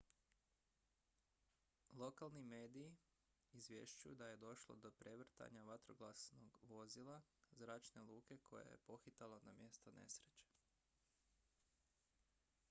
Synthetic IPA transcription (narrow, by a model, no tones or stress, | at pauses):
lˠo̞kalˠnimeːd̪iː | zʋje̞̰ʃt͡ʃujud̪aje̞d̪o̞ʃlˠo̰d̪o̞pɾe̞ʋr̩t̪a̰ɲaʋat̪ɾoɡlˠasnoɡʋo̞zilˠazɾaːt͡ʃne̞lˠuːke̞kʰo̞̰jḛjepo̞xit̪alˠonamje̞st̪o̞nḛsɾet͡ʃe̥